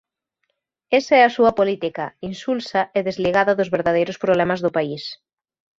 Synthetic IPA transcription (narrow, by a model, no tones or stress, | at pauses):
esɐɛɐsuɐpolit̪ikɐinsulsɐʔeðezliɣaðɐðʊzβeɾðaðejɾʊspɾoβlɛmɐzðʊpais